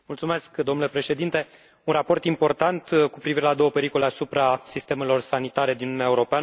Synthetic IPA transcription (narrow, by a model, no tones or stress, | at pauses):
mult̪sume̞skd̪omnule̞pɾe̞ʃe̞d̪int̪e̞ | unrapo̞rt̪impo̞rt̪ant̪kupɾiviɾe̞lad̪o̞wəpe̞ɾiko̞le̞asupɾasist̪e̞me̞lo̞rsanit̪aɾe̞d̪inuunɛaeuɾo̞peanə